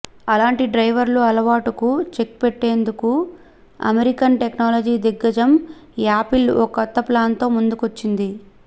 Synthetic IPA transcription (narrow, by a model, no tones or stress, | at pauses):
ɐlaːɳʈiɖɾɐjʋɐɾluɐlɐʋaːʈukut͡ʃe̞k̚peʈːe̞ːnd̪uku | ɐ̰meɾikɐnʈeknaːlod͡ʒiːd̪iɡːɐd͡ʒɐmaːpilɔkɔt̪ːɐplaːnt̪o̞ːmund̪ukʋot͡ʃːind̪i